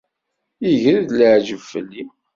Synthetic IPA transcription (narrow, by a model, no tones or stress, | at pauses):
iʝɾiðləʕʒəfːə̰lːi